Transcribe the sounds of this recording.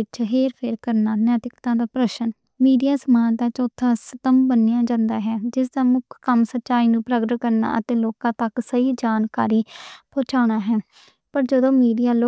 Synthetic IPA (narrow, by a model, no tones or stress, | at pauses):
ɪt͡ʃɦeːɾpʰeːɾkəɾnaːnjɛːt̪ɪkt̪ãːd̪aːpɾəʃən | miːɖijaːsəmãːt̪aːt͡ʃot̪ʰːãːsət̪əmbənːɪjãːd͡ʒãːnd̪aːɦɛːd͡ʒɪsd̪aːmʊkʰkəmsətːʃaːiːnũːpɾəɡəkəɾna̰ːʔət̪ẽːloːkãːt̪əksəiːd͡ʒaːnkaːɾiːpʰoːt͡ʃaːɽ̃aːɦɛː | pəɾd͡ʒəd̪õːmiːɖijaːloː